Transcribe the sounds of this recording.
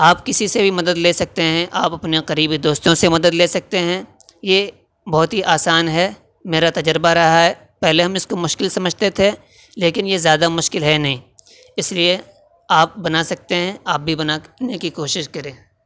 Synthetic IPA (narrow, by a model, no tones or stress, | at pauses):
aːpkɪsisebʱimɐd̪əd̪leːsɐk̚t̪eɦɛ̃ʔaːpɐpneqɐɾiːbid̪oːst̪õsemɐd̪əd̪leːsɐk̚t̪eɦɛ̃ | je | bɔɦt̪ɦiʔaːsaːnɦɛː | meːɾat̪ɐd͡ʒəɾbaɾɐɦaɦɛ | pɛɦleɦɐmɪskomʊʃkɪlsɐməd͡ʒʱt̪et̪ʰe | leːkɪnjezjaːd̪amʊʃkɪlɦɛnɐɦĩː | ɪslie | aːp̚bɐnaːsɐk̚t̪eɦɛ̃aːp̚bʱibɐnanekikoːʃɪʃkɐɾẽː